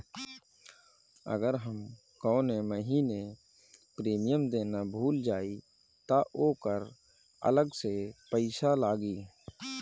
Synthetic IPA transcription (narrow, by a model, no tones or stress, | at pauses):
ə̰ɡəɾɦəm | kɔ̃ːneməɦiːne | pɾeːmijəmd̪eːnabʱuːld͡ʒaːi | t̪aʔoːkəɾ | ə̰ləɡsepəɪsalaːɡiː